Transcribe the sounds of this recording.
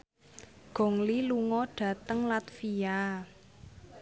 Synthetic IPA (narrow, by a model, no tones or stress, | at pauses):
ɡ̥ɔ̤ŋliluŋɔɖ̥ä̤t̪əŋlat̪fia